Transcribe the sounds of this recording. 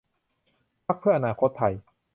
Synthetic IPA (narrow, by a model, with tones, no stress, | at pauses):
pʰa˦˥k̚pʰɯ˥˩ɐʔa˧naː˧kʰo˦˥t̪ʰːa˧˩j